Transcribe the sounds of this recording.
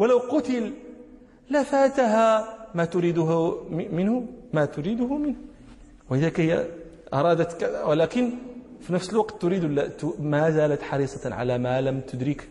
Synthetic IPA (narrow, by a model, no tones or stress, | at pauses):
walawqʊt̪ɪlː | afaːt̪ɦamat̪ʊɾiːd̪ʊɦmɪnhʊmat̪ʊɾiːd̪ʊhʊmɪnh | waʔɪðaːkajʔɑɾˤɑːd̪at̪kwlaːkɪnfinæfsəlwɑqt̪ːʊɾiːd̪wlːat̪ʊmazaːlat̪ħɑɾiːsˤɑʕa̰lamalamt̪ʊd̪ɾɪk